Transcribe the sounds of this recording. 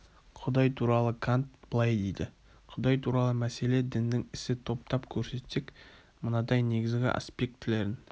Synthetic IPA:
qʰʊd̪ɑjt̪ʰuɾɑlˠəkʰant̪̚b̥əlˠɑjd̪ejd̪ɪ | qʰʊd̪ɑjt̪ʰuɾɑlˠəmæse̞le̞d̪ɪnd̪ɪŋɪsɪt̪ʰo̞p̚t̪ɑpkʲʰɵɾse̞t̪se̞k | mənɑd̪ɑjne̞ɡʲɪzɡʲɪ̰ʔa̰spʲe̞k̚t̪ːɪle̞ɾɪn

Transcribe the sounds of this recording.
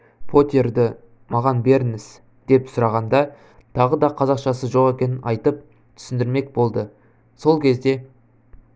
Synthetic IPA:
pʰo̞t̪ʲerd̪ɪ | mɑʁɑnbe̞ɾɪnɪz | d̪̥e̞psʊɾɑʁɑnd̪ɑ | t̪ʰɑʁəd̪ɑqʰɑzɑqʃɑsəʒo̞ʁe̞kʲe̞nɪnʔɑjt̪əp̚ | t̪ʰʏ̥sɪnd̪ɪɾme̞k̚bo̞lˠd̪ə | so̞lˠkʲʰe̞zd̪e̞

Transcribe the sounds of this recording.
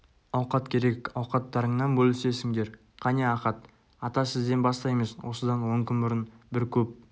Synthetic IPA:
ɑwqɑt̪kʲʰe̞ɾe̞kʲɑwqɑt̪ːɑɾəɴnɑnbɵlɪse̞sɪŋd̪e̞ɾ | qʰɑneɑqɑt̪ | ɑt̪ɑsɪzd̪e̞nbɑst̪ɑjməzwo̞səd̪ɑnwo̞ŋkʲʏnbʊɾənbɪɾkʲʰɵp̚

